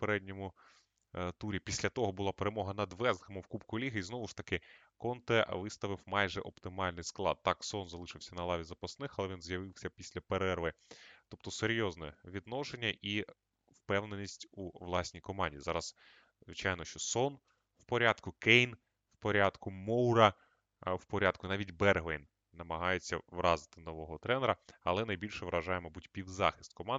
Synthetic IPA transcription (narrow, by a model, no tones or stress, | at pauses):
peɾɛdʲnʲɔmʊ | t̪uɾʲipʲisʲlʲɐt̪ɔɦɔbʊlˠɑpeɾemɔɦɐnɐd̪ʋɛzd̪hɐmɪwkupkʊlʲiɦɪiznɔʋʊʃt̪ɐkɪ | kɔnt̪ɛʋɪst̪ɐʋɪwmɑjʒɛʔɔpt̪ɪmɑlʲnɪjsklˠɑ̰d̪̚t̪ɑksɔnzɐlˠɪʃɪwsʲɐnɐlˠɑʋʲizɐpɐsnɪxɐlˠɛʋʲinzjɐʋɪwsʲɐpʲisʲlʲɐpeɾɛrʋɪt̪ɔp̚t̪ɔseɾʲjɔznɛ̰ʋʲid̪nɔʃenʲːɐʔi | wpɛwnenʲisʲtʲuʋlˠɑsʲnʲijkɔmɑnʲdʲizɑɾɐz | zʋɪt͡ʃɑjnɔʃt͡ʃɔsɔn | wpɔɾʲad̪kʊkɛjn | wpɔɾʲɑd̪kʊmɔwɾɐ | wpɔɾʲad̪kʊnɑʋʲitʲbɛrɦejn | nɐmɐɦɑjet͡sʲːɐʋɾɑzɪ̥t̪ɪnɔʋɔɦɔt̪ɾɛneɾɐɐ̰lˠɛnɐjbʲilʲʃɛʋɾɐʒɑjemɔbudʲpʲiwzɑxʲi̥st̪̚kɔmɑn